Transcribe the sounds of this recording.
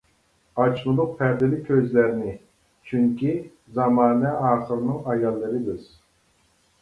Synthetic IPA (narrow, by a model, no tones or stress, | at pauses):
ɑt͡ʃmɨlˠʊq̚pʰɛɾd̪ɪlɪkʲʰøzlæɾnɪ | t͡ʃʰyŋkʲʰi | zɑmɑːnɛɑːχɨɾɨnɨŋɑjɑlˠːɨɾɨb̪ɨz̥